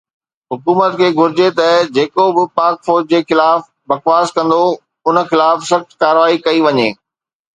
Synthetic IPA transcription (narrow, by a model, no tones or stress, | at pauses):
ɦʊkuːmət̪kʰeːɡʱʊɾɪd͡ʑet̪ɐd͡ʑeːkobɪpaːɾkfoːɾd͡ʑd͡ʑeːxɪlaːf | bɐxʋaːskɐ̃nd̪o | ʊnəxɪlaːfsɐxt̪kaːɾʋaːikɐiʋɐɲeː